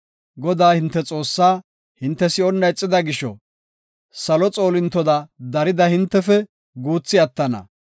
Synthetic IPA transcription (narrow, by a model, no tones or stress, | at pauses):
ɡɔd̪aːhɪnt̪ːɛt͡sʼo̞ːsːaː | hɪnt̪ːɛsɪɔnːɐjt͡sʼːɪd̪ɐɡɪʃɔ̰ | sɐlɔt͡sʼo̞ːlɪnt̪ːɔd̪ɐd̪ɐɾɪd̪ɐhɪnt̪ːɛfɛ | ɡuːt͡sːɪɐt̪ːɐnɐ̰